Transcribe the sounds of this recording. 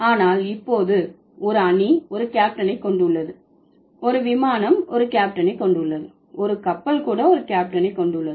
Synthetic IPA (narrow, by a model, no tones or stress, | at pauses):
aːnaːlɪpːoːðɯ | ɔɾɯɐniɔɾɯkaːp̚ʈɐnɐɪkːɔɳɖɯʊɭːɐðɯ | ɔɾɯʋɪmaːnɐmɔɾɯkaːp̚ʈɐnɐɪkːɔɳɖɯʊɭːɐðɯ | ɔɾɯkɐpːɐlkuːɽɐɔɾɯkaːp̚ʈɐnɐɪkːɔɳɖʊɭːɐðɯ